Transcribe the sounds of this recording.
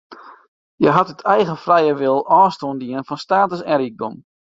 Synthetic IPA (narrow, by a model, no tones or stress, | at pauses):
jɛjɦatətʰɛjɣəfrɛjəʋɪlˠɔːstoəndiənfɔnstaːtəsɛɾik̚dom